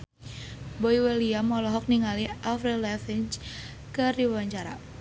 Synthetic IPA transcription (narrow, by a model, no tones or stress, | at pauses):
boiweliamɔlɔɦɔk̚niŋaliʔafɾɛlɛfɪnt͡ʃ | kərdiwwaɲt͡ʃaɾa̰